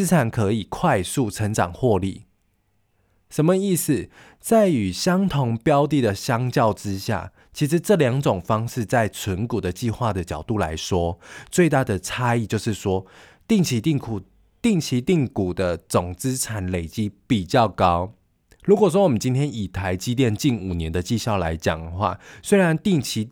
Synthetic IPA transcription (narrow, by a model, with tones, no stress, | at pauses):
t͡s̩˥t͡sʰa˨˩˦nkʰɤ˧˦i˨˩kʰwa˥˧ɪsu˥˩ʈ͡ʂʰə˧˥ŋʈ͡ʂɑ˨˩ŋxwɔ˥˧lḭ˥˩ | ʂə˧˦nmə˧i˥˩s̩˨˩ | t͡sa˥˩ɪy˨˩ɕjɑ˥ŋt̪ʰo˧˥ŋpjɑ˦ʊt̪i˥˩d̪ə˨ɕjɑ˥ŋt͡ɕjɑ˥˨ʊʈ͡ʂɻ̩˦ɕja̰˥˩ | t͡ɕʰi˧˥ʂ̬ɻ̩˧˦ʈ͡ʂɤ˥˨ljɑ˧˦ŋʈ͡ʂo˨˩ŋfɑ˥ŋʂɻ̩˥˧t͡sa˥˩ɪt͡sʰə˧˦nku˨˩d̪ə˦t͡ɕi˥˧xwa˥˩d̪ə˩t͡ɕɑ˨˩ʊt̪u˥˩la̰˧˥ɪʂwɔ˥t͡swe˥˧ɪt̪a˥˩d̪ə˩t͡sʰa˥i˥˧t͡ɕjo˥˧ʊʂɻ̩˥˩ʂwɔ˦ | t̪i˥˩ŋt͡ɕʰi˧˥t̪i˥˩ŋkʰu˨˩ | t̪i˥˩ŋt͡ɕʰi˧˥t̪i˥˩ŋku˨˩d̪ə˦t͡so˨˩ŋt͡sɹ̩˦ʈ͡ʂʰa˨˧˦nle˨˩ɪt͡ɕi˦˥pi˨˩t͡ɕjɑ˥˩ʊkɑ˦˥ʊ | ɻu˧˥kwɔ˨˩wɔ˥wɔ˨˩mə˦nt͡ɕi˥nt̪ʰjɛ˥ni˨˩t̪ʰa˧˦ɪt͡ɕi˥t̪̬jɛ˥˧nt͡ɕi˥˩nu˨˩njɛ˧˦nd̪ə˨t͡ɕi˥˧ɕjɑ˥˩ʊla̰˧˦˥ɪt͡ɕjɑ̰˨˩ŋd̪əxwa̰˥˩swe˥ɪɻa˧˦nt̪i˥˩ŋt͡ɕʰi˧˥